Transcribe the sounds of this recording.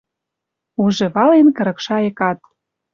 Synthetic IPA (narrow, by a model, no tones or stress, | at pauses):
uʒĕβɑlenkə̆ɾɤ̆kʃɑekɑt̪